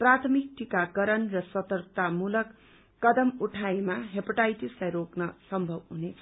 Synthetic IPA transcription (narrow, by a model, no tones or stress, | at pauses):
prat̪ʰʌmik̚ʈikakʌɾʌnrʌsʌt̪ʌrt̪amulʌkː | ʌd̪ʌmuʈʰaimaɦepʌʈajʈislajɾoknʌsʌmbʱʌbɦunet͡sʰʌ